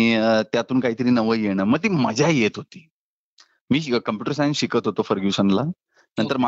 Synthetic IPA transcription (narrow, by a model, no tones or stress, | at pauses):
it̪jat̪uːnkaɦiːt̪əɾiːnəʋəjeɽ̃əməɡ̚t̪iːməd͡ʑʱjajet̪ɦot̪iː | miːkəmpjuʈəɾsajnɕikət̪ɦot̪ofəɾɡjusəŋla | nə̃nt̪əɾma